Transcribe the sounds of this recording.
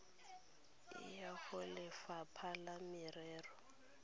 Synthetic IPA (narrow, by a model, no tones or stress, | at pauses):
ɪ̰jaɣʊlɪfapʰalamɪrɛːrɔ